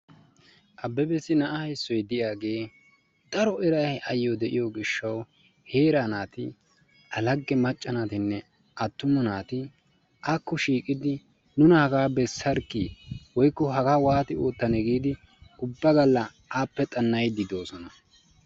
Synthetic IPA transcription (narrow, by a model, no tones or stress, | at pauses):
ʔɐbːɛbɛsɪnɐʔɐhɐjsːɔjd̪ɪjaːɡe̞ː | d̪̥ɐɾɔɛɾɐjɐjːɔd̪ɛʔɪjoɡɪʃːɐw | he̞ːɾanaːt̪ɪ | ʔɐlɐɡːɛmɐt͡ʃʼːɐnaːt̪ɪnːɛ | ʔɐt̪ːʊmɐnaːt̪ɪ | ʔakːɔʃiːkʼɪd̪ɪ | nʊnɐhɐɡaːbɛsːɐɾkiːwɔjkːɔɦɐɡaːwaːt̪ɪoːt̪ːɐnɛɡiːd̪ɪ | ʊbːɐɡɐlːɐ | aːpːɛt̪ʼɐnːɐjd̪ɪd̪o̞ːsɔnɐ